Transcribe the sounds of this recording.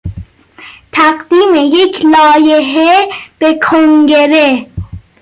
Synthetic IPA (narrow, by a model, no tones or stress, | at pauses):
t̪ʰæɢd̪̥iːmejecʰlɒːjeɦeb̥ekʰoŋɡeɾe